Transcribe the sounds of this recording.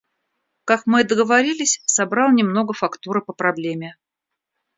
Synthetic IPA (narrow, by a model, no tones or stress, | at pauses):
kakmɨd̪əɡəvɐɾʲilʲɪsʲsɐbɾɑlˠnʲɪmno̞ɡəfɐkt̪uɾɨpəpɾɐblʲemʲɪ